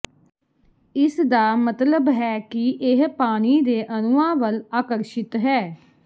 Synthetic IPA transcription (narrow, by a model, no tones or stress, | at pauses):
ɪsd̪aːmət̪ləbɦɛːkɪʔɪɦpaːɽ̃iːd̪eːʔənʊãːʋəlaːkəɾʃɪt̪ɦɛː